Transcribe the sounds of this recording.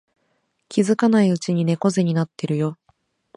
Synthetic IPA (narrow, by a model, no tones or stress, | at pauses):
kʲizɨkanaiɯ̟t͡ɕiɲ̟ine̞ko̞zeɲ̟inat̪ːe̞ɾɯ̟jo̞